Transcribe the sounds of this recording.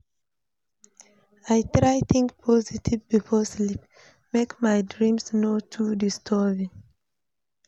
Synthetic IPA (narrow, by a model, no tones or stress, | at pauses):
ajtɹajθĩŋkpʰɔzitʰivbifɔslip | mekmajdɹĩmsnotʰudistʰɔvĩŋ